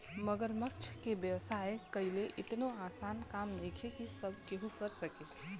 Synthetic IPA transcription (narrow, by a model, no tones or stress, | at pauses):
məɡəɾmək̚t͡ʃʰkebjəʋsaekəileʔɪt̪noasankamnikʰekisəbʱkeɦũkəɾsəke